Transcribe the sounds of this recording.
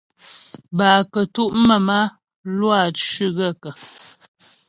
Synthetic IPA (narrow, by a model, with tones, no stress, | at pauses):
baː˨kə˨tu˦ʔmə˨ma˦ | lwa˦˨t͡ʃʉ˦ɣə˦˨kə˨